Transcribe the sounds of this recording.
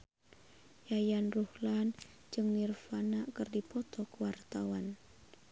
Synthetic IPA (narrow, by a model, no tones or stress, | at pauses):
jajanruhlan | d͡ʒɨŋnirfanaʔkərdipɔt̪ɔkəwart̪awan